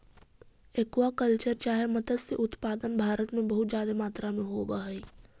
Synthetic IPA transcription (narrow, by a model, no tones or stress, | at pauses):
ekwakəlt͡ʃəɾt͡ʃaːɦemɐt̪əd̪seʔʊt̪paːd̪ənbʱaːɾət̪mẽbɐɦʊt̪zjaːd̪emaːt̪ɾamẽɦobaɦiː